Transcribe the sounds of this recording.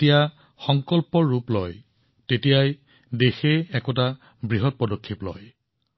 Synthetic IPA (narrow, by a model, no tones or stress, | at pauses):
tija | xɔŋkɔlpɔɹːuplɔj | tetijaj | dexeɛkɔt̬a | bɹiɦɔt̚pɔdokʰːiplɔ̰j